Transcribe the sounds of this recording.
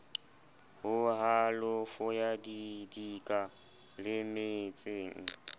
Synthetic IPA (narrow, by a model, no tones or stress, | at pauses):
hʊɦalʊfʊjadidikʼa | lɪmɪt͡sʼeːŋ̩